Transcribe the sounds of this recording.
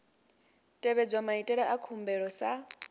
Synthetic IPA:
tʼɛβɛd͡zwamaitʼɛɺɛʔakʰumbɛɺɔsa

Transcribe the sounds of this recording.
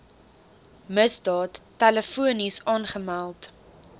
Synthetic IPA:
məsdɑːtːæləfuənisɑːnχəmælˠt

